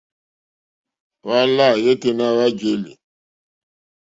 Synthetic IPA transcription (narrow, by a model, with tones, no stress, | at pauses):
wa˦la˦˨ɣe˦te˦na˦wa˦d͡ʒe˦lḭ˨